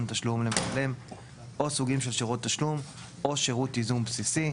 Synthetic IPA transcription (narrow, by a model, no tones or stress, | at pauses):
nt̪aʃlumlemalem | ʔo̞suɡimʃe̞lʃeʁut̪ːaʃlum | o̞ʃeʁutizumbsisi